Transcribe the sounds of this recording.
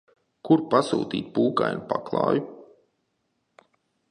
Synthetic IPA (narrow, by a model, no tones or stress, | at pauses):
kuɾpasṵːt̪iːt̪̚puːka̰jnpaklˠɑ̰ːju